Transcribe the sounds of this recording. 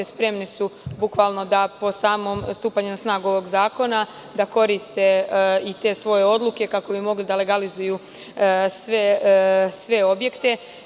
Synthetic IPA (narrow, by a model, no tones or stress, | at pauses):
espɾe̞mnesubukʋaːlˠno̞d̪apo̞saːmo̞mst̪uːpaɲunasnaːɡuo̞ʋo̞ɡzaːko̞na | d̪ako̞ɾist̪e̞it̪e̞sʋo̞je̞o̞d̪luke̞kako̞bimo̞ɡlid̪ale̞ɡalizuju | sʋesʋe̞o̞bje̞kt̪e̞